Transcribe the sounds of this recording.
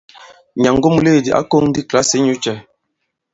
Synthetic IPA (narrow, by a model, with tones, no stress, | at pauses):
ɲa˨ŋɡo˦m˦le˦˨di˨ʔa̰˦ko˦ŋn˦di˦kla˦se˨˦ɲu˨˦t͡ʃɛ˨